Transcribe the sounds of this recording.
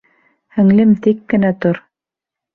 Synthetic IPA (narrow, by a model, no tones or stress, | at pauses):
hɘ̆ŋlɘmt̪ikːɘ̆næt̪oɾ